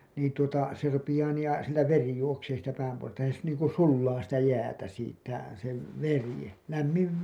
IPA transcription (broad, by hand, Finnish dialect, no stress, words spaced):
niːn tuotɑ se rupijɑː niː jɑ siltæ ʋeri juokseː siːtˑæ pæːmpohojɑstɑ jɑ se̥ niːŋku sulːɑː sitæ jæːtæ siːtːæ se ʋeri læmːiʋ